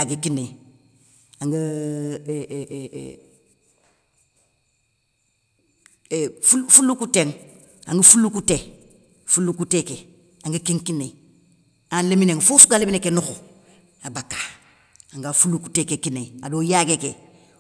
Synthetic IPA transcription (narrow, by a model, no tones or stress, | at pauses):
aɡekinːe | aŋɡə | fufulːukuteŋ | a̰ŋɡəfulukute | fulːukuteke | aŋɡəkeŋkine | anlemineŋfusuɡalebinekenuxu | abakːḁ | aŋɡafuluku̥tekekineadojaɡeke